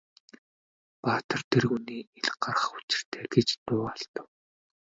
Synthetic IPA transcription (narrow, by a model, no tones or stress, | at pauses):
paːt̪ə̆rt̪ʰerɣuniːeɮ̆ɢarʁə̆χu̥t͡ɕɪ̆r̥t̪ʰeːɡet͡ɕt̪ʊːaɬt̪ə̆w